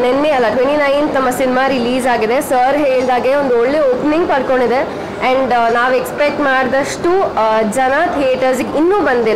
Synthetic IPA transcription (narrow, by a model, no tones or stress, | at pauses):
nenːeɐlːɐʈʋeɳʈinɐjnt̪ɐmːɐsinimaɾiliːzaːɡid̪esɐːɾɦeːɭd̪aːɡeond̪uoɭːeoːpnĩŋɡpɐɾkoɳɖid̪e | ɛ̃ɳɖnaːʋekspek̚ʈmaːɖd̪ɐʂʈud͡ʒɐnat̪ʰieːʈɐɾsɡinːuːbɐnd̪il